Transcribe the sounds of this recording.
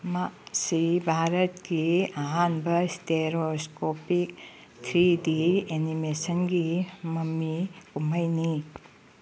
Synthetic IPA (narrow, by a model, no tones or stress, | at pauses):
masibʱaɾɐt̚ɡiɐɦanbɐsteɾoskopik̚ | tʰɾidienimesənɡimɐmikumɐjni